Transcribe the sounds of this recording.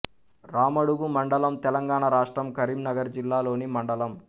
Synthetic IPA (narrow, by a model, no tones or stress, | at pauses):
ɾaːmɐɽuɡumɐɳɖɐlɐmt̪ɛlɐŋɡaːɳaɾaːʂʈɾɐmkɐɾiːmnɐɡɐɾd͡ʒilːaːlo̞ːnimɐɳɖɐlɐm